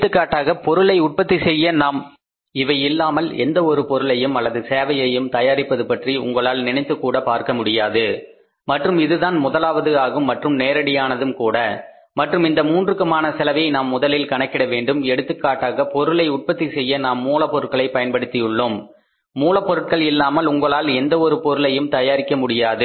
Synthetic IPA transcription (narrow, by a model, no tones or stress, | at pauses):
t̪ːɯkːaːʈːaːɣɐpɔɾɯɭɐɪʊʈ̚pɐt̪ːisɛjːɐnaːm | ɪʋɐjɪlːaːmɐlɛ̰nd̪ɐɔɾɯpɔɾɯɭɐjɯmɐlːɐðɯseːʋɐjɐjɯmt̪ɐjaːɾɪpːɐðɯpɐʈriʊ̰ŋɡɐɭaːlnɪnɐɪt̪ːɯkːuːɽɐpaːɾkɐmʊɽɪjaːðɯ | mɐʈrɯmɪðɯðaːnmʊðɐlaːʋɐðɯaːɣɯmːɐʈrɯmneːɾɐɽɪjaːnɐðɯmkuːɽɐ | mɐʈrɯmɪnd̪ɐmuːndrɯkːɯmaːnɐsɛlɐʋɐɪnaːmːʊðɐlɪlkɐɳɐkːɪɽɐʋeːɳɖɯmɛɽɯt̪ːɯkːaːʈːaːɣɐpɔɾɯlɐɪʊʈ̚pɐt̪ːisɛjːɐnaːmːuːlɐpːɔɾɯʈ̚kɐɭɐɪpɐjɐnpɐɽɯt̪ːɪjɯɭːɯmː | uːlɐpːɔɾɯʈ̚kɐɭɪlːaːmɐlʊŋɡɐɭaːlɛnd̪ɐɔɾɯpɔɾɯlɐjɯmt̪ɐjaːɾɪkːɐmʊɽɪjaːðɯ